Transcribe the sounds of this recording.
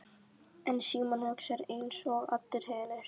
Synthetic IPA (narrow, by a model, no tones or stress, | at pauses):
ɛnsiːmanɔksɛɾejnsɔːɣa̰ft̪ʏɾ̥hɛːnɪɾ̥